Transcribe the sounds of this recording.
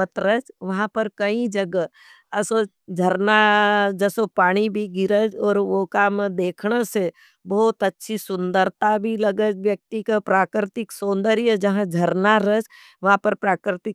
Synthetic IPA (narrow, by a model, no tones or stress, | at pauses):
ət̪ɾət͡ʃʋɐɦãpɐɾkɐĩd͡ʒɐɡə | ɐso | d͡ʒʱəɾnad͡ʒəsopaːɽ̃ibʱiɡɪɾəd͡ʒɔːɾʋokaːmd̪eːkʰnəse | bɔːt̪ɐtːʃʰisʊnd̪əɾt̪abʱilɐɡəd͡ʒʋjək̚t̪ikapɾaːkɾɪt̪ɪksõːnd̪əɾijəd͡ʒɐɦãd͡ʒʱɐɾnaɾəd͡ʒ | ʋɐɦãpɐɾpɾaːkɾɪt̪ɪ